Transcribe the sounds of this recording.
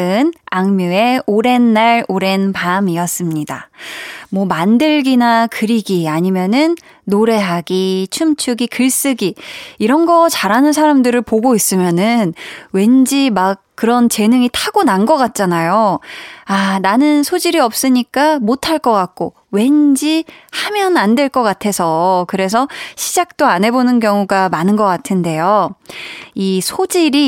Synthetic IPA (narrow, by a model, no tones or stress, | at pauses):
ɯnaŋmjue̞oɾe̞nːaɭoɾe̞npamiʌs͈ɯmɲida̰ | mwʌmandɯɭɡinakɯɾiɡiaɲimjʌnɯnː | oɾe̞ɦaɡit͡ɕʰumt͡ɕʰuɡikɯɭs͈ɯɡiiɾʌnɡʌt͡ɕaɾanɯnsʰaɾamdɯɾɯɭpoɡois͈ɯmjʌnɯnwe̞nd͡ʑimak̚k͈ːɯɾʌnt͡ɕe̞nɯŋitʰaɡ̥onanɡʌk͈at̚t͡ɕ͈anajo | ananɯnsʰod͡ʑiɾiʌp̚s͈ɯɲik͈amotʰaɭk͈ʌk͈ak̚k͈o | we̞nd͡ʑihamjʌnandwe̞ɭk͈ʌk͈atʰe̞sʰʌkɯɾe̞s̬ʰʌɕʰid͡ʑak̚t͈oanɦe̞bonɯnk̬jʌŋuɡamanɯnɡʌk͈atʰɯnde̞jo | isʰod͡ʑiɾi